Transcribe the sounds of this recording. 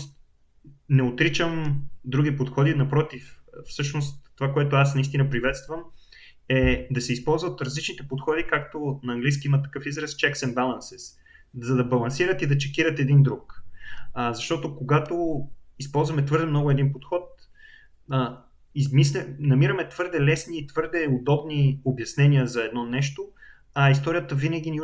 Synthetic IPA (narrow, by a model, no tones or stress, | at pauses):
s | nɛot̪ɾit͡ʃəmd̪ɾuɡ̟ipot̪xɔd̪inɐpɾɔt̪iffsɤʃnost̪ːovakoɛt̪oasnɐist̪inɐpɾivɛt̪st̪vəm | ɛd̪ɐsɛispɔlˠzvɐt̪ɾɐzlit͡ʃnit̪ɛpot̪xɔd̪ikak̚t̪onɐːŋɡlijskiimɐt̪ːɐkɤfizɾɛst͡ʃɛksɛnbalˠɐnsɛs | zɐd̪ɐbɐlˠɐnsiɾət̪id̪ɐt͡ʃɛkʲiɾət̪ɛd̪ind̪ɾuk | əzɐʃt̪ɔt̪okoɡat̪oispɔlˠzvɐmɛt̪vɤɾd̪ɛmnɔɡʊɛd̪inpot̪xɔt̪̚ | ə | izmislɛnɐmiɾəmɛt̪v̥ɤɾd̪ɛlɛsniːt̪vɤɾd̪ɛod̪ɔbniobjɐsnɛnʲiəzɐɛd̪nɔnɛʃt̪o | ɐist̪ɔɾijət̪əvinəɡ̟ini